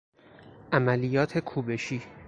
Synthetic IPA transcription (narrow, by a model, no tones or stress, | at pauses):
ʔæmælijɒːt̪ʰe̞kʰuːbe̞ʃiː